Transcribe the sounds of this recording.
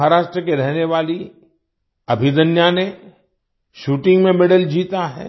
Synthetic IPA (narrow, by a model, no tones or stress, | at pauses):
ɦaɾaːʃʈɾəkeɾɛɦneʋaːli | ɐbʱid̪ɐnjane | ʃuːʈɪ̃ŋɡmẽmɪɽəld͡ʒiːt̪aɦɛ̰ː